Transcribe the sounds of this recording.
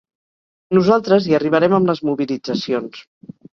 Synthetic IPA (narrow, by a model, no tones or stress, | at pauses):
nuzalˠt̪ɾəziəriβ̞əɾɛməmləzmuβilid͡zəsions